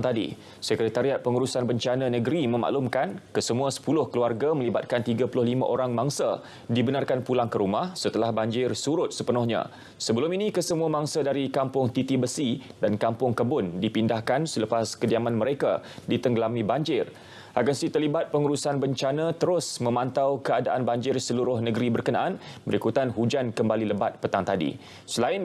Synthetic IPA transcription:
t̪adḭ | səkɾet̪aɾiat̪̚pəŋuɾusanbəɲt͡ʃanãnə̃ɡəɾimə̃ma̰ʔlumkankəsəmũasə̥pulʊhkəluarɡamə̃libat̪̚kant̪iɡapulʊhlimã̰ʔoɾaŋmaŋsa | dibənarkanpulaŋkəɾumahsət̪əlahbaɲd͡ʒɪrsuɾʊt̪̚səpənʊhɲã̰ | səbəlʊminĩkəsəmũamaŋsadaɾikampʊŋt̪it̪ibəsidankampʊŋkəbʊndipindahkansələpaskədiamanməɾekadit̪əŋɡəlamĩbaɲd͡ʒɪr | ʔaɡansit̪ərlibat̪̚pəŋuɾusanbəɲt͡ʃanãt̪əɾʊsmə̃mãnt̪awkəadaʔanbaɲd͡ʒɪrsəluɾʊhnəɡəɾibərkənaʔanbəɾikut̪anɦud͡ʒankəmbaliləbat̪̚pət̪aŋt̪adḭ | səlaɪn

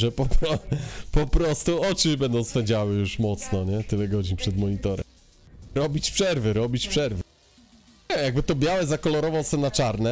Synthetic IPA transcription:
ʐɛpɔpɾɔpɔpɾɔst̪uɔt͡ʂɘbɛnd̪ɔ̃w̃spɛɲd͡ʑawɘjuʂmɔt̪snɔɲɛt̪ɘlɛɡɔd͡ʑiɲpʂɛd̪mɔɲit̪ɔɾɛ̰m | ɾɔbʲit͡ɕpʂɛɾvɘɾɔbʲit͡ɕpʂɛɾvɘ | ɛjaɡ̚bɘt̪ɔbʲjawɛzakɔlɔɾɔvawsɛnat͡ʂaɾnɛ

